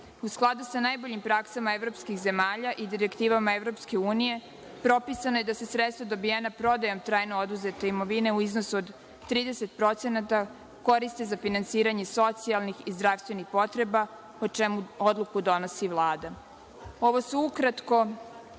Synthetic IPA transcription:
usklˠad̪usanajbo̞ʎimpɾaksamaevɾo̞pskixze̞maːʎaʔid̪iɾekt̪iːʋamaevɾo̞pske̞uːnije̞ | pɾo̞pisanoje̞d̪asesɾet̪st̪vod̪o̞bijenapɾo̞d̪ajo̞mt̪ɾaːjnood̪uze̞t̪e̞imo̞ʋine̞uizno̞suod̪ː | ɾiːd̪ese̞t̪̚pɾo̞t̪senat̪a | ko̞ɾist̪ezafinant̪siːɾaɲe̞so̞t̪sialnixizd̪ɾaʋst̪ʋe̞nixpo̞t̪ɾe̞ba | ot͡ʃemuo̞d̪lˠukud̪o̞no̞siʋlˠaːd̪a | o̞ʋo̞suukɾat̪ko̞

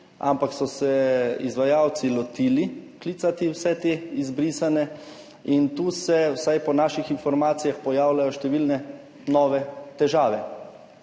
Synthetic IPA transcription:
a̰mpaksɔsɛizʋajaːwt̪silɔt̪iːlikliːt̪sat̪iwsɛt̪eːizbɾisanɛ | int̪uːsɛwsajpɔnaːʃixinfɔɾmaːt̪sijaxpɔjaːwlajɔʃt̪ɛʋiːlnɛ | nɔːʋɛt̪ɛʒaːʋɛ

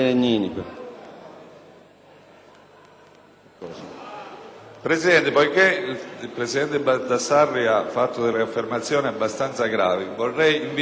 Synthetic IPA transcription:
ɲiːnikə | kɔːs | pɾesid̪ɛnt̪ɪpojkepɾesid̪ɛnt̪ɪbad̪asːarːiafːat̪ːʊd̪eleafːermat̪sːjɔːniabːast̪ant̪saɡɾa̰ːvivorːɛjiɱvi

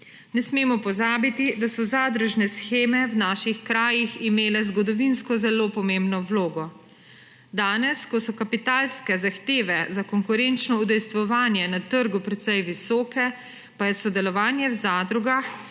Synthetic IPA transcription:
nɛsmeːmɔpɔzaːbit̪id̪asɔzaːd̪ɾuʒnɛsxeːmɛwnaːʃixkɾaːjiximeːlɛzɡɔd̪ɔʋinskɔzɛloːpɔmembnɔwloːɡɔ | d̪aːnɛskɔsɔkapit̪aːlskɛzaxt̪eːʋɛzakɔŋkuɾent͡ʃnɔud̪ɛjst̪ʋɔʋaːnjɛnat̪əɾɡupɾɛt̪sɛjʋisɔːkɛ | pajɛsɔd̪ɛlɔʋaːnjɛwzaːd̪ɾuɡax

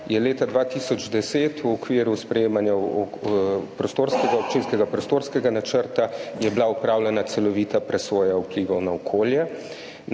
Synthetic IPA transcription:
jɛleːt̪ad̪ʋat̪isɔd͡ʒd̪ɛseːt̪ʰuɔkʋiːɾuspɾɛjeːmanja | pɾɔst̪oːɾskɛɡaɔp̚t͡ʃiːnskɛɡapɾɔst̪oːɾskɛɡanat͡ʃəɾt̪ajɛblaupɾaːwlɛnat̪sɛlɔʋiːt̪apɾɛsoːjaupliːʋɐwnaɔkʰoːljɛ

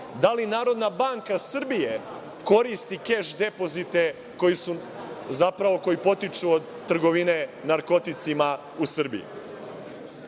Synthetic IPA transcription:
d̪alinaːɾo̞d̪nabaŋkasr̩bije | ko̞ɾist̪ikeʃd̪e̞po̞zit̪e̞ | ko̞jisuzapɾaʋo̞ko̞jipo̞t̪it͡ʂuod̪ | t̪ːr̩ɡo̞ʋine̞naɾko̞t̪it̪sima | usr̩bḭjḭ

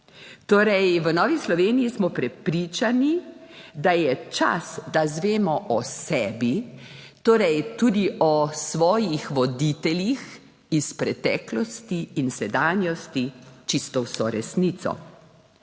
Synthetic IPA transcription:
t̪oːɾɛjʋənɔːʋislɔʋeːnijismɔpɾɛpɾit͡ʃanid̪ajɛt͡ʃa̰sd̪azʋeːmɔʔɔsɛːbit̪oːɾɛjt̪ud̪iɔsʋɔːjixʋɔd̪it̪ɛlix | ispɾɛt̪ɛːklɔst̪iːnsɛd̪aːnjɔst̪it͡ʃist̪ɔwsɔɾɛsnit̪sɔ̰

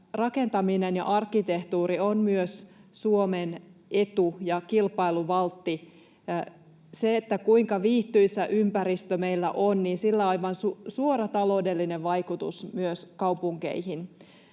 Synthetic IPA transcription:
rɑkent̪ɑminenjɑ̰ʔɑrkːˑit̪eht̪uːɾionmyøssuomenʔe̞t̪ujɑkilpɑiluʋɑlt̪ːi | seet̪ːækuiŋkɑʋiːht̪yisːæʔympæɾist̪øme̞ilːæʔonniːnsilːæɑiʋɑnsusuorɑt̪ɑlo̞udelːineʋʋɑjkut̪ṵsmyøskɑupuŋkḛihin

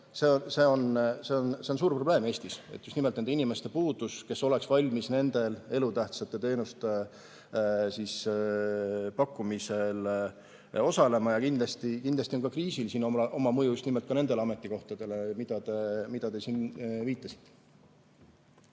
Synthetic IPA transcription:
seonse̞ːo̞nse̞ːo̞nse̞ons̬uːrpro̞ble̞ːmeːsʲt̪ise̞t̪just̪imelt̪ed̪einime̞st̪e̞puːd̪̥uske̞sːo̞le̞ksvɑlʲmisne̞nd̪̥e̞le̞lut̪æht̪sɑt̪ːˑe̞t̪e̞ːnust̪e̞ | sis | pɑkːumise̞l | o̞sɑle̞mɑjɑkind̪̥lɑst̪ikind̪lɑst̪io̞nkɑkriːsilsiːno̞mʔo̞mɑmɤjuust̪nimelt̪̚kɑne̞nd̪̥e̞leɑme̞t̪ːˑiko̞ht̪ɑd̪̥e̞le̞mid̪̥ɑt̪e̞mid̪̥ɑt̪e̞siːnviːt̪ːˑɑsi̥t̪ːˑe̥

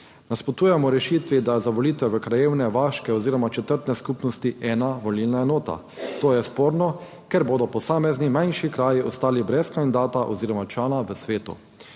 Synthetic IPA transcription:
naspɔt̪uːjɛmɔɾɛʃiːt̪ʋid̪azaʋɔliːt̪ʋɛʋəkɾajeːwnɛʋaːʃkɛɔziːɾɔmat͡ʃɛt̪əɾt̪nɛskupnɔst̪iʔɛːnaʋɔlilnaɛnoːt̪a̰ | t̪oːjɛspoːɾnɔ | kɛɾboːd̪ɔpɔsaːmɛznimajnʃikɾaːjiɔst̪aːlibɾɛskand̪id̪aːt̪aʔɔ̰ziːɾɔmat͡ʃaːnaʋəsʋeːt̪ṵ

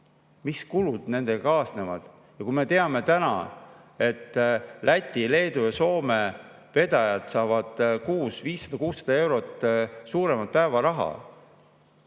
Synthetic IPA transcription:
miskulud̪̥ne̞nd̪̥ekɑːsne̞vɑ̰d̪̥ | jɑkujme̞t̪e̞ɑme̞t̪ænɑ̰e̞t̪ːˑlʔæt̪ʲːˑile̞ːd̪̥ujɑso̞ːme̞ | pe̞d̪̥ɑjɑt̪sɑːvɑd̪̥kuːsviːsːɑ̥d̪ɑkuːsːɑ̥d̪ɑe̞wɾo̞t̪ːsuːɾe̞mɑt̪̚pæevɑɾɑɦɑ̰

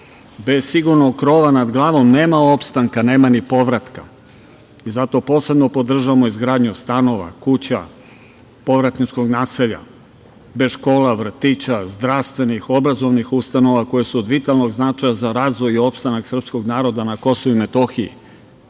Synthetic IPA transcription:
be̞z̥siɡuɾno̞ɡ̚kɾo̞ːʋanad̪ɡlˠaːʋo̞mne̞ːmao̞pst̪aŋkane̞ːmanipo̞ʋɾat̪ka̰ | izat̪o̞po̞ːse̞bno̞po̞d̪r̩ʒaamo̞izɡɾaːd̪ɲust̪ano̞ʋa̰kut͡ɕa̰ | po̞ʋɾat̪nit͡ʃko̞ɡnaːseʎa̰ | be̞ʃko̞ːlaʋr̩t̪it͡ɕazd̪ɾaʋst̪ʋe̞nixo̞bɾazo̞ʋnixust̪ano̞ʋako̞jesuod̪ʋit̪alˠno̞ɡznat͡ʃajazaɾaːzʋo̞jio̞pst̪anaksr̩psko̞ɡnaːɾo̞d̪anako̞souime̞t̪o̞xiḭ

